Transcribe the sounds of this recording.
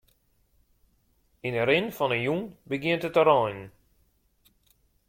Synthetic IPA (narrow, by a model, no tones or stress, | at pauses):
inəɾɪnfɔnənjunbəɡɪəntətəɾɔjn